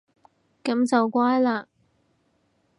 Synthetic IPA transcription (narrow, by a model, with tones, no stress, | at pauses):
kɐ˨˧˥mt͡sɐ˨wkʷwaː˥jlaː˧